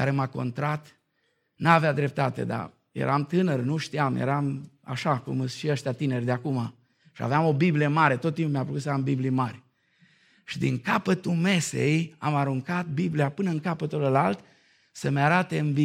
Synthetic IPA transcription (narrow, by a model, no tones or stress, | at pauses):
kaɾemako̞̰nt̪ɾat̪ | navead̪ɾe̞p̚t̪at̪e̞̰d̪a̰ | jḛɾʔamt̪ɨnərnuʃt̪iamjḛɾama̰ʃakṵmɨsʃiəʃt̪jat̪ine̞rʲd̪eakuma | ʃia̰veamo̞biblijemaɾe̞t̪ot̪ːimpmʲejapukut̪səambiblimaɾʲ | ʃid̪iŋkapət̪ume̞sḛja̰maɾuŋkat̪̚bibliapɨnəɨŋkapət̪uləlalt̪ | səmeaɾat̪eɨmbi